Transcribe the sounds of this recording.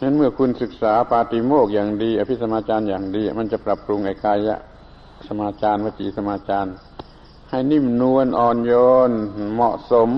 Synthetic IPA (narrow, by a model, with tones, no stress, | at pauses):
na˦˧˥nmɯ˧˩əkʰu˧˥˨nsɯ˨˧˩k̚saː˨˦paː˧t̪i˧˦moː˧˩k̚jaː˨˩ŋdiː˧˦ʔa˧˩pʰi˦˥sa˧maː˧t͡ɕaː˧˨njaː˨˩ŋdiː˧a˧˨˩ma˧˥˨nt͡ɕa˧˩pɾa˧˩p̚ɾu˧ŋʔa˨˧˩kaː˧jja̰˧˨ʔ | sa˧maː˧t͡ɕaː˧˨nmaː˧˩t̪ʰḭː˨˦sa˧maː˧˥t͡ɕaː˧n | ha˧˩jni˧˥˩mnu˧ənʔɔː˨˩njoː˧nmɔ˧ʔso˨˧˦m